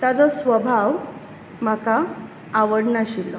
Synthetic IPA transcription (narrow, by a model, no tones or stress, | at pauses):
t̪jat͡sɔsʋəbʱaʋ | m̤akʰaː | ʋəɽɳaɕilːɔ